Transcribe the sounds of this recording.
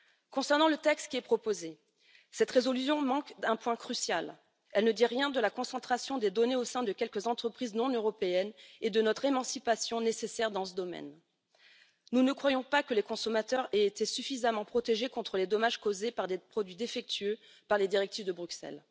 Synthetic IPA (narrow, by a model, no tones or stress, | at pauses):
kɔ̃sɛʁnɑ̃lət̪ɛkst̪kʲiɛpχɔpoze | sɛt̪χezɔlysjɔ̃mɑ̃kd̪ɛ̃pwɛ̃kχysjal | ɛlnəd̪iʁjɛ̃d̪əlakɔ̃sɑ̃t̪χasjɔ̃d̪ed̪ɔneosɛ̃d̪əkʲɛlkəzɑ̃t̪χəpχiznɔ̃nøʁɔpeɛned̪ənɔt̪χemɑ̃sipasjɔ̃nesesɛʁd̪ɑ̃səd̪ɔmɛ̰n | nunəkχwajɔ̃pakəlekɔ̃sɔmat̪œʁeet̪esyfizamɑ̃pχɔt̪eʒekɔ̃t̪χəled̪ɔmaʒkozepaʁd̪epχɔd̪ɥid̪efɛk̚t̪ɥø | paʁled̪iʁɛk̚t̪ivd̪əbʁyksɛ̰l